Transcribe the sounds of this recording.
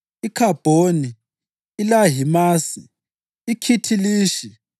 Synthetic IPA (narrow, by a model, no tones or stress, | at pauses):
ikʰab̥ʱoni | ilaɦimaːsḭː | kʰitʰiliːʃi